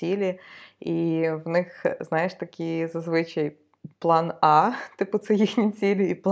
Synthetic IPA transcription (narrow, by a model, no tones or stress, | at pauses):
ilʲɪivnɪxznajɪʂt̪ɐkʲijzɐzʋɨt͡ɕɐj | plˠanat̪ɨpɨt̪sɐjixnʲɪsʲilʲʊip̪ˠ